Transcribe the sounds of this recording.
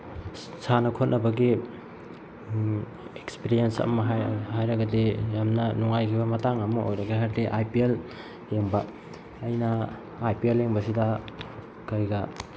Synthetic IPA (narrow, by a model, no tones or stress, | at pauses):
sanɐkʰot̚nʔɐbɐɡi | ekspiɾiensɐ̰mɐɦhajɾɐɡɐdijamnɐnuŋajkʰibɐmɐtaŋɐmuojɾɐɡaɦaɾteʔajpiel | heŋbɐː | jnɐː | jpielːeŋbɐsidɐ | kɐjɡa